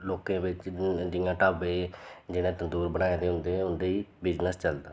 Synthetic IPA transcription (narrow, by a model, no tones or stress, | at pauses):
loːkẽːbɪt͡ʃd͡ʒɪjãːʈaːbeːd͡ʒɪñẽːt̪ənd̪uːɾbəɽ̃aːeːt̪eːɦʊ̃nd̪ẽːʊnd̪eːiːbɪd͡ʒnəst͡ʃəld̪aː